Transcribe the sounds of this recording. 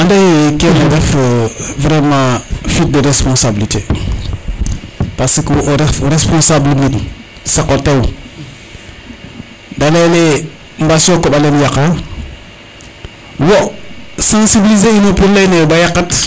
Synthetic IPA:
andejkenoɾɛfvɾemãfit̚dəɾespɔ̃nsabilite | pasikwʔoɾɛfɾespɔ̃nsablimit | sakotew | dalele | mbasõkoɓalenjaka | wosãsibilizeinopulːenebajakat

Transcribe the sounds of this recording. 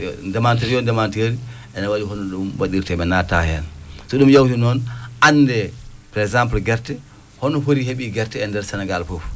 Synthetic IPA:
dɛmanteɾiɔndɛmanteɾi | ɛnawaɗiɦɔnɔɗumwaɗiɾtɛɓɛnata̰hɛ̰lsɔɗumjawtinɔnanːdɛpɾɛzamplɡɛɾtɛ | hɔnɔfoɾiheɓiɡɛɾtɛːndɛɾsɛnɛɡalfɔf

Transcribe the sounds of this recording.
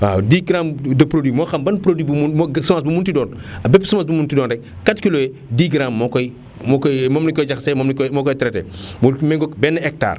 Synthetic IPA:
adiːɡɾamdɐpɾodwiːmɔxɐmbɐnpɾodibummɡsɐmas̬bumuntidɔːnɐbɛpːsɐmasbumuntidɔːndɛk | kːatkilojɛ | diːɡɾamːɔkɔj | mɔkɔjmɔmnikɔjd͡ʒɐxsɛmɐmnkɔmɔkɔjtɾɛtɛ̰mɔmɛŋɡɔkbɛnːɐɛk̚ta̰ːr

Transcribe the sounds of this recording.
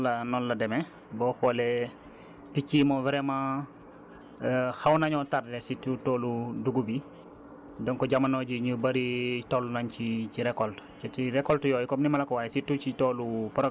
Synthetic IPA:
ɐnɔnlɐdɛmɛ | bɔxɔlɛ | picːimɔvɛɾɛmã | xɐwnɐɲɔtaɾdɛsitːutɔːluduɡubi | dɔŋkɔɟamɐnɔɟiɲubɐɾitɔlːunɐnciciɾɛkɔltcɛtiɾɛkɔltjɔːjkɔmnimɐlɐkɔwaːjsitːut͡ʃitɔːlupɾɔ

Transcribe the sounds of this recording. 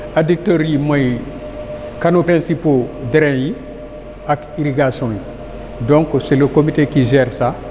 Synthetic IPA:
adik̚toɾimaj | kanopɾɛ̃nsipodeɾɛ̃ji | akiɾiɡasɔ̃ji | dɔ̃ŋkoselokomitekiʒɛɾsa

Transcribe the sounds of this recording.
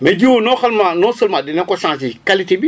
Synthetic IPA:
mɛd͡ʒiwonõxalmãnɔ̃səlmãdinɛ̃kɔsãs̬ikalitebi

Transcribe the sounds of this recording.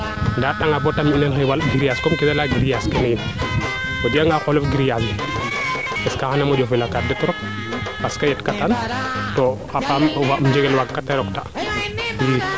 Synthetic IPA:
ndaɗaŋabɔtamilɛnxɛwalɡiɾijaskɔmkɛsalaɡiɾijaskɛnɛjin | tɔdiaŋɡaxɔlɔfɡiɾijasɛ | ɛskaxanamɔd͡ʒɔfɛlakaɾ̚dɛtɔɾɔk̚ | paskajɛtkatantɔ | apamwamd͡ʒɛɡɛlwakkːataɾɔkta | wi

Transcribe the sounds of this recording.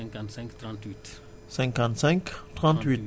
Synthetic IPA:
k̪sɛ̃ŋkt̪t̪it̪ | sɛ̃ŋkɑ̃nt̪sɛ̃ŋkt̪ʁɑ̃nt̪it̪

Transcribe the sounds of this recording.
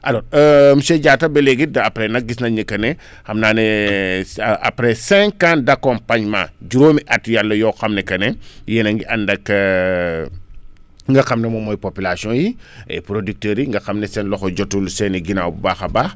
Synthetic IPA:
ʔɐlɔːɾəmsɛɟaːtɐbɛlɛɡidɐːpɾɛnɐk̚ɡisnɐɲikːɐnɛ | xɐmnaːnɛ | a̰pɾɛsɛ̃ŋkãndɐkɔmpaɲma̰d͡ʒuɾoːmiʔɐtjalːɐjɔːxɐmnɛkɐnɛjɛnɐŋɡiʔɐndɐkː | ŋɡɐxɐmnɛmɔmɔjpopilasjɔ̃ːjiɛ̰pɾodik̚tɛːɾiŋɡɐxɐmnɛsɛnlɔxɔɟɔtːulsɛniɡinawbubaːxɐbaːx

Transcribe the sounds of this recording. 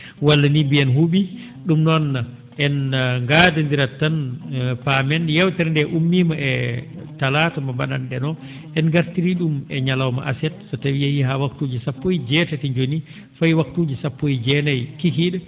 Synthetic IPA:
walːanibiɛnɦuɓi | ɗumnɔnːa | ʔɛnŋɡadɛndiɾatːanpamɛnjɛwtɛɾndɛʔumːiːmaʔɛtalaːtamabaɗanɗɛnɔ | ʔɛnɡaɾtiɾiɗumɛɲalawma̰ʔa̰sɛt̚sɔtawiahiɦawaktuːd͡ʒisapːojid͡ʒɛtatiɲd͡ʒoni | fajwak̚tuːd͡ʒisapːoid͡ʒɛnajkikiɗɛ

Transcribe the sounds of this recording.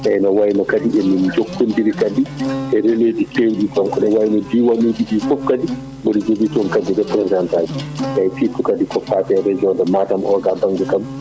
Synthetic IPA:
ʔɛnɔwajnɔkadiɗɛnːind͡ʒokːundiɾikadiʔɛɾeled͡ʒikeːɲd͡ʒikɔmkɔɗɛwajnɔdiwanuːdiɗiːfɔfkadi | bɔɾid͡ʒobitɔnkad͡ʒidɛpɾɛzdantad͡ʒisajtitːukadikɔfatɛɾɛd͡ʒiɔndɛmatamʔɔɡabaŋɡɛkam

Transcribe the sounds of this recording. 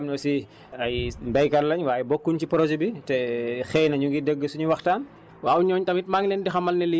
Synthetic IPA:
mnɔsi | ɐjbɐjkɐrlɐɲwaːjɛbɔkːuncipɾɔd͡ʒɛbitɛxɛːjnɐɲuɡidəɡːəsuɲuwɐxtaːn | wawɲɔːɲtɐmit̚maŋlendixɐmɐlnɛli

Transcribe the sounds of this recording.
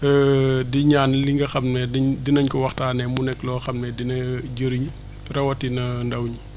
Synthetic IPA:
ɛdiɲaːnliŋɡɐxɐmnɛdiɲdinɐɲkɔwɐxtaːnɛmunɛkːlɔːxɐmnɛdinɐɟəɾiɲ | rɐwɐtinɐndɐwɲi

